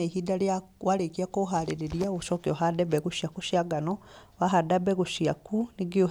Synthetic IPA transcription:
ehidaleawaɾekiakoɦaɾeɾeɾiaoʃɔkiɔɦadɛbɛɣuʃiakuʃjaɡanɔwaɦadabɛɣuʃiakuniɡio

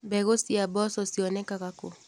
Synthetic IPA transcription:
bɛɣosiabɔsɔsiɔnɛkaɣako

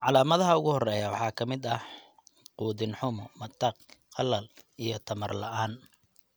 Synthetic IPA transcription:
ʕɑlaːmɐðɐɦɐʊɣʊhɔrɛːjɐwɑ̰ħɑːkʰɐmɪd̪ɐh | quːðɪnħʊmɔmɐt̪ʰɐqqɑlɐl | ijɞt̪ʰɐmɐrlɐʔaːn

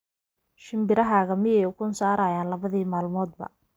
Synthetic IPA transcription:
ʃɪmbɪɾɐɦaːɣɐmɪjɛjʊkʰʊnsaːɾaːjaːnlɐβɐðiːmaːlmɔːd̪bɐ̰

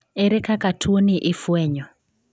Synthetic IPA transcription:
eɾɛkakatʰuoniʔɪfwɛɲɔ

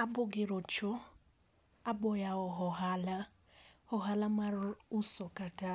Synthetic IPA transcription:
abʊɡɪɾɔt͡ʃɔ | abɔjaɔɦɔɦala | hɔɦalamaɾʊusɔkata

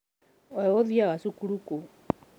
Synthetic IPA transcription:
eoðiaɣasukuɾuko

